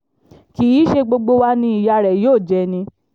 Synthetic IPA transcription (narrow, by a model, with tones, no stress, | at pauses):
ki˨i˨˦ʃe˧ɡ͡bo˧ɡ͡bo˧wa˦nĩ˦i˧ja˧ɾɛ˨joː˦˨d͡ʒɛ˨˧nĩ˧